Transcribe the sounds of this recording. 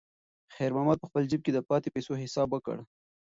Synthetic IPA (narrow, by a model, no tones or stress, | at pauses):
xɛjɾmɑmɑd̪̚pəxpəld͡ʒɪb̚ked̪əpɑt̪epejsoɦɪsɑbwəkə̰ɽ